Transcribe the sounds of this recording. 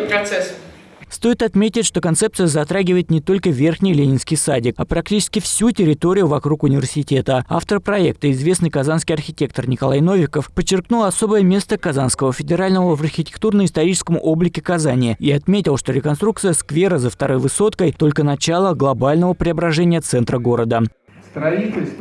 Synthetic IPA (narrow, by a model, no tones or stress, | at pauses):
pɾɐt̪sɛs | st̪o̞ɪt̪ɐt̪mʲetʲɪtʲʂt̪o̞kɐnt̪sep̚t̪sɨjəzɐt̪ɾaɡʲɪvəjɪt̪nʲɪt̪o̞lʲkəvʲe̞rxnʲɪjlʲenʲɪnskʲɪjsadʲɪkapɾɐk̚tʲit͡ɕɪ̥skʲɪfsʲutʲɪɾʲɪt̪o̞ɾʲɪjʊvɐkɾukʊnʲɪvʲɪrsʲɪtʲe̞t̪əa̰ft̪əɾəpɾɐe̞k̚t̪ɨɪzvʲesnɨjkɐzanskʲɪjɐrxʲɪtʲe̞k̚t̪ərnʲɪkɐlˠajno̞vʲɪkəfpət͡ɕːɪrknulˠɐso̞bəjəmʲe̞st̪əkazanskəvəfʲɪdʲɪɾalʲnəvəvɐrxʲɪtʲɪ̥k̚t̪urnəɪst̪ɐɾʲit͡ɕɪskəmʊʔo̞blʲɪkʲɪkɐzanʲɪɪiɐt̪mʲetʲɪlˠʂt̪o̞ɾʲɪkɐnst̪ɾuk̪̚sɨjəskvʲe̞ɾəzəft̪ɐɾo̞jvɨso̞t̪kəjt̪o̞lʲkənɐt͡ɕalˠəɡlˠɐbalʲnəvəpɾʲɪɐbɾɐʐɛnʲɪjət̪sɛnt̪ɾəɡo̞ɾəd̪ə | st̪ɾɐitʲɪlʲst̪